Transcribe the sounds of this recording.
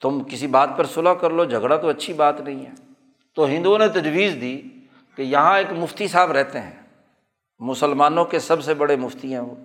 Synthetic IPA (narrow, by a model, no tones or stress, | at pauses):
t̪ʊmkɪsibaːt̪̚pɐɾsʊlakɐɾlod͡ʒʱɐɡɽat̪oɐtːʃʰibaːt̪nɐɦĩɦɛː | t̪oɦɪ̃nd̪uõnet̪ɐd͡ʒwiːzd̪iː | kejɐɦãeːkmʊft̪isaːbɾɛɦt̪eɦɛ̃ː | mʊsəlmaːnõkesɐbsebɐɽemʊft̪iɦɛ̃ʋoː